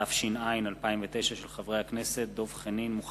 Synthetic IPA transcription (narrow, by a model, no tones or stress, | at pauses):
afʃinainalpaimvet̪e̞jʃaʃelχavʁehakneset̪̚d̪o̞vχeninmuχ